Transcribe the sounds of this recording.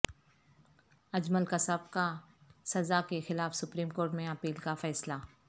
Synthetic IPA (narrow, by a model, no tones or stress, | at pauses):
ɐd͡ʒməlkasɐb̚kasɐzakexɪlaːfsʊpɾiːmkoːɾʈmẽɐpiːlkafɛːsla